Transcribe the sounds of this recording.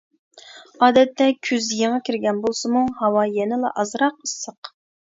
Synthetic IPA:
ɑːd̪ɛt̪ʰːɛkʲʰyzjeŋɑkʲʰiɾɡʲɛnbolˠsɨmuhɑwɑjɛnɪlɑ̰ʔɑzɾɑqəsːəq

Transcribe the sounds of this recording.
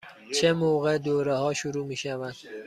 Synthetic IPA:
t͡ʃʰemoɣed̪oːɾehɒːʃuɾuːmiːʃævænd̪̥

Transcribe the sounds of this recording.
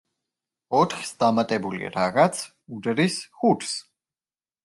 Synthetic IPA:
ɔt̪χsd̪amat̪ʼɛbulḭa̰ɾaʁat̪sʰ | ud̪ɾisχuɾs

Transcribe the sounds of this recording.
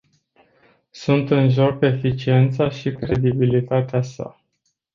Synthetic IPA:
sunt̪ɨnʒo̞kefit͡ʃie̞nt̪saʃikɾe̞d̪ibilit̪at̪easa̰

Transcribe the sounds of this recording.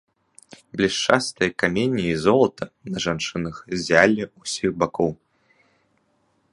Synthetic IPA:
blʲiʂt͡ʂast̪ɨjɐkamʲenʲːiizɔlˠɐt̪ʰɐnɐʐant͡ʂɨnɐxzʲalʲɛusʲiɣbakɔw

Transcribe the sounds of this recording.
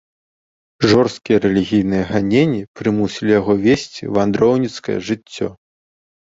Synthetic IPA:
ʐɔrst̪̚kʲijɐɾɛlʲiɣʲijnɨjɐɣanʲenʲːipɾɨmusʲilʲijaɣɔvʲesʲt͡sʲḭvand̪ɾɔwnʲit̪skɐ̰jɐ̰ʐɨt͡sʲːɔ̰

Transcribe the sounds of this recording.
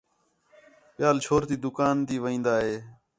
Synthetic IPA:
pɪjaːlt͡ʃʰoːɾt̪iːd̪ʊkaːnt̪iːʋəĩːnd̪aːɦeː

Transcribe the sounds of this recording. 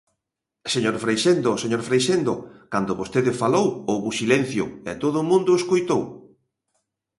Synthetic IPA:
seɲoɾfɾejʃend̪oseɲoɾfɾejʃend̪okand̪ʊβost̪eðɪfalowowβʊsilen̟θjʊ̰ɛ̰t̪oðʊːmũnd̪ʊeskojt̪ow

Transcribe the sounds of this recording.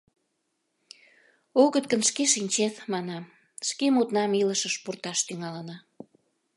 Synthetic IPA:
oɣət̪̚kənʃkeʃinʲt͡ɕeθmɑnɑm | ʃkemut̪nɑmiləʃəʃpurt̪ɑʃt̪yŋɑlənɑ

